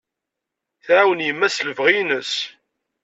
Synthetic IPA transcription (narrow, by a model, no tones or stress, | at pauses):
θʕawənjəmːæsləvʁinəs